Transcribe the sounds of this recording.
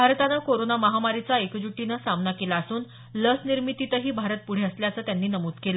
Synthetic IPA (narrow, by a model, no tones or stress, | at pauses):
bʱaɾt̪anakoɾonaməɦamaɾit͡saekd͡ʑuʈːinəsamnakelaəsuːn | ləsniɾmit̪it̪əɦiːbʱaɾət̪̚puɽ̤eəsljaəsəːt̪janːiːnəmuːd͡zkelə